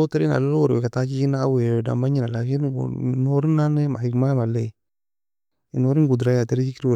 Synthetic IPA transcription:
oteɾna̰lolwoɾekatakikinaaweda̰maɲinalakin̰noɾinːanemahikmamale | inoɾinɡudɾajateɾit͡ʃikiɾw

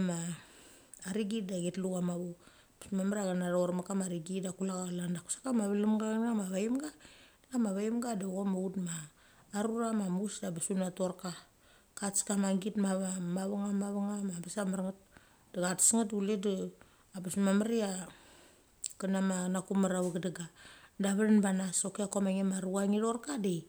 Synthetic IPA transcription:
maː | ɾiɡidaɡetluɡamaβo | pḁsmamaɾiaɡanaɾoɾmakamaɾiɡidakulaɡalandaku̥sḁkamaβalumɡaɡamaβaimɡa | lamaβajimɡadaɡomautmaː | ɾuɾamamusdabasunatoɾka | kat͡ʃkamaɡitmaβamaβaŋamaβaŋamabasamaɾŋat | d̥aɡatsŋat̚duled | abasumamaɾia | kanamanakumaɾaβaɡadaɡadaβaɾanbanasokeakomaŋemaɾuaŋiɾorkadej

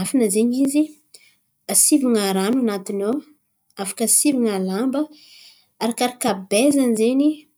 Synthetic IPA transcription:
afanazeɲizi | asiviŋaɾanuanat̪ino | afḁkəsiviŋalambə | aɾakaɾakabezanizeni

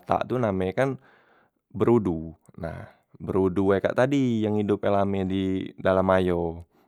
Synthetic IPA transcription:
t̪a̰ʔt̪unamɛkan | bəɾuduna̰h | bəɾudueka̰ʔt̪adijaŋhidʊp̚ɛlamɛdidalamajo

